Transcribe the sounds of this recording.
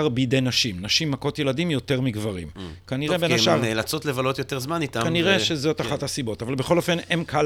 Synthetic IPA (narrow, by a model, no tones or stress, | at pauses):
ʁbeidejnaʃimnaʃimːako̞tje̞ladimjo̞te̞ʁmiɡvaʁḭmkaniʁebenaʃaʁelat͡sotlevalo̞t̪joteʁzmanit̪akaniʁeʃezo̞taχathasibo̞tavalbeχo̞lo̞fe̞nemkʰal